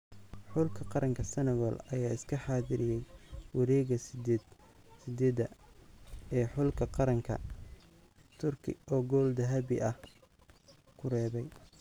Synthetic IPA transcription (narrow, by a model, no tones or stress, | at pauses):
ħʊlkʰɐqɑɾɐŋkʰɐsɐnɐɣɔlɐjaːɪskʰɐħaːðɪɾɪjɛjwɑɾɛːɣɐs | sɪd̪ɛːd̪ɐ | ɛːħʊlkʰɐqɑɾɐŋkʰɐ̰ | t̪ʰʊrkʰɪ̰ɔːɡɔːld̪ɐɦɐβɪʔɐh | kʰʊrɛːβɛj